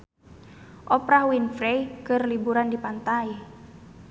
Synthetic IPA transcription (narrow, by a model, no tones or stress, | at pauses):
ʔɔpɾahwinfɾɛjkɨrlibuɾandipant̪ai